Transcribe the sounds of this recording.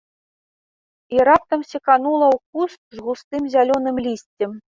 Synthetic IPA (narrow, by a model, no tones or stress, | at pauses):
iɾap̚t̪ɐmsʲikanulˠɐwkust̪̚zɣust̪ɨmzʲalʲɔnɨmlʲisʲt͡sʲɛm